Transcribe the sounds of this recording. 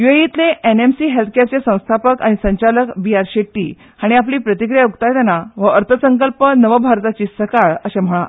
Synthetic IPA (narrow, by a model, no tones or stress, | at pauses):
jueit̪leenemsiːɦelt̪ʰkjaɾt͡sesə̃w̃st̪ʰapəkaɽ̃isəɲt͡ɕaləkbiaɾɕeʈḭː | haɽ̃iap̬liːpɾət̪ikɾijaukt̪ajt̪anaʋəəɾt̪ʰəsəŋkəlpənəʋəbʱaɾt̪at͡ɕiːsəkaɭəɕem̤əɭa̰